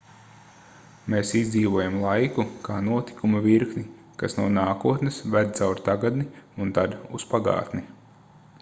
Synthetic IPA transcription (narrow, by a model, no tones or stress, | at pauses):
meːsizd̪ziːʋuɔjamlˠajkukaːnuɔt̪i̥kumɐviɾknʲi | kasnuɔnaːkuɔt̪nesvæd̪̚t̪sawɾt̪aɡad̪niunt̪ad̪uspaɡa̰ːt̪ni